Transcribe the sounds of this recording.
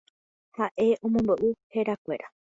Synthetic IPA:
haʔe̞ʔõ̞mõ̞mboʔɨhe̞ɾakʷe̞ɾa

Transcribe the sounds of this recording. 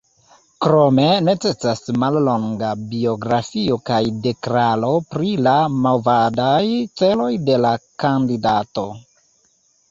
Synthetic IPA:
kɾo̞me̞ne̞t͡se̞sasmallo̞ŋɡabio̞ɡɾafio̞kajde̞kɾalo̞pɾilamavadajt͡se̞lo̞jde̞lakandidato̞

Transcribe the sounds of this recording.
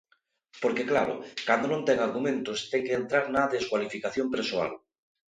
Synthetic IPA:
poɾkeklaɾo̰kand̪onõnt̪eŋaɾɣumẽnt̪ost̪ekeːnt̪ɾaɾnaðeskwalifikaθjompeɾsoa̰l

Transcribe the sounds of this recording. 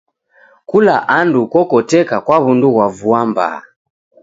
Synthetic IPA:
kulaʔandukɔkɔtɛkakwaβunduɣwavuamba̰

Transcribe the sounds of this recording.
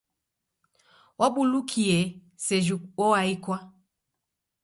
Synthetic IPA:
waɓulukʰiɛ | sɛʒuwɔwaikwa

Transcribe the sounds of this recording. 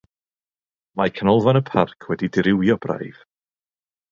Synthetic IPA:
makʰənɔlˠvanəpʰarkʰwɛdidɪɾɪwjɔb̥ra̰jv̥

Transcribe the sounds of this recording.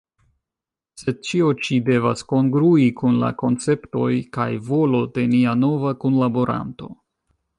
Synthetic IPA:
se̞d̚t͡ʃio̞t͡ʃide̞vasko̞ŋɡɾuikunla̰ko̞nt͡se̞pto̞jkajvo̞lo̞de̞niano̞vakunlabo̞ɾa̰nto̞

